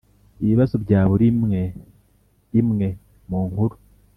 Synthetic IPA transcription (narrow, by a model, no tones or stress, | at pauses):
iβiβazobɟaːβuɾime | imŋe̞ | muːŋhuɾu